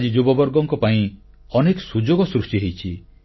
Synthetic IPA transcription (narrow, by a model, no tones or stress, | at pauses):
d͡ʒid͡ʒubɔbɔɾɡɔŋkɔpaĩ | ɔnekɔsud͡ʒoɡɔsɾusʈiɦejt͡ʃʰi